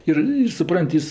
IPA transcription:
ˈɪr ɪr sʊˈprɐnʲtʲ ˈjɪs

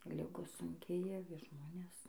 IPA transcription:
ˈlʲɪɡoːs sʊŋʲˈkʲeːjɛ ˈʋʲɪs ˈʒmoːnʲɛs

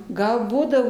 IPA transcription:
ˈɡɐlˠ ˈbuːdɐʋoː

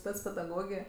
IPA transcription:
ˈsʲpʲɛt͡s pʲɛdɐˈɡoːɡʲeː

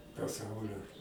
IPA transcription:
pɐˈsɐʊlʲoː

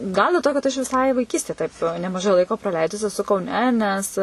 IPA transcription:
ˈɡɐlˠ dʲɛlˠ ˈtoː kɐt ˈɐʃ ʋʲɪˈsɐɪ ʋɐɪˈkʲiːsʲtʲeː ˈtɐɪp nʲɛmɐˈʒɐɪ ˈlˠɐɪkoː prɐˈlʲɛɪdʊs ɛˈsʊ kɐʊˈnʲɛ nʲɛs

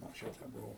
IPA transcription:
ɐŋksʲˈt͡ʃʲɛʊ tɐɪ bʊˈʋɐʊ

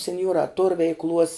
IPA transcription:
sʲɛnʲˈjuɔrɑː toːr ʋʲɛɪkˈlˠuɔs

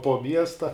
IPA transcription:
poː ˈmʲiɛstɐ

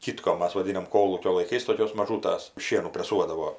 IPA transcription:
ˈkʲɪtkoːm ˈmɐs ʋɐˈdʲɪnɐm ˈkoːlˠuːkʲoː lˠɐɪˈkɐɪs toːˈkʲoːs mɐˈʒuːtɐs ˈʃʲiɛnuː pʲrʲɛˈsuɔdɐʋoː

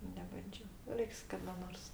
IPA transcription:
nʲɛbɐnʲˈd͡ʒʲoː ˈrʲɛɪks kɐdɐ ˈnoːrs

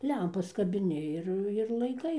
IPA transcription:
ˈlʲɛmpɐs kɐbʲɪˈnʲɪ ɪr ɪr lˠɐɪˈkɐɪ

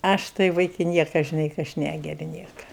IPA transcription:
ˈɐʃ tɐɪ ˈʋɐɪkʲɪ ˈnʲiɛkɐ ʒʲɪˈnɐɪ kɐ ˈɐʃ ˈnʲæɡʲɛrʲɪ ˈnʲiɛkɐ

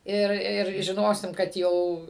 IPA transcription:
ˈɪr ˈɪr ʒʲɪˈnoːsʲɪm kɐt ˈjɛʊ

